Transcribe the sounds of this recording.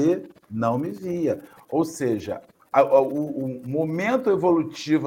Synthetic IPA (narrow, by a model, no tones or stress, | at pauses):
enɐ̃w̃mɪviɐ | owseʒɐ̰ | ɐʔuːmomẽnt̪ʊevolut͡ʃivʊ